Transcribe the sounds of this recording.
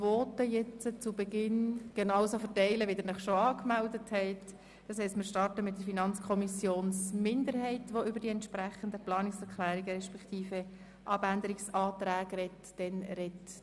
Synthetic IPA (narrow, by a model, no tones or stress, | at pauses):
vɔːtəjɛt͡sət͡sʊbɛɡɪnɡ̥enɑʊwsofəɾtɛɪləʋidɛnɛχʃoɑːkmɛldəthɛɪt | d̥ɑshɛɪstmɪːɾʃtɑrtəmɪt̚d̥əɾfinɑnt͡skʰɔmisjoːnsmɪndəɾɦɛɪtʋoʏbəɾdiɛntʃpɾæχəndəplɑːnɪksɛɾkʰlæːɾiɡəɾɛʃpɛktʰiːfə | ʔɑbænd̪əɾiksɑːtɾæːɡrɛtd̥ɛnɾɛt